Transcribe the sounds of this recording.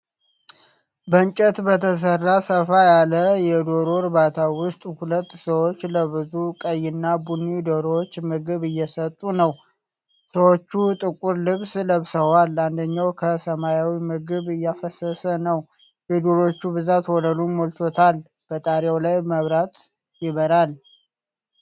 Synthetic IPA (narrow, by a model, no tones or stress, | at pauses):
bəɲt͡ʃʼɛt̪bət̪ʰəs̬ərːasəfajaləjɛd̪o̞ɾoɾɨβat̪ʰawʊst̪ʼhulət̪ːsəwot͡ʃːləβɨzukʼəjːɪnːabunːid̪oɾot͡ʃːmɨɡɨβɨjːɛsət̪ʼːunəw | səwot͡ʃːut̪ʼɨkʼuɾlɨβsləβsəwaland̪əɲːawkʰəsəmajawimɨɡɨβɨjːafəsəsənəw | jɛd̪oɾo̞t͡ʃːubɨzat̪wɔləlumolt̪ʰot̪ʰal | b̥ət̪ʼaɾawlajməβɾat̪ | jɪβəɾal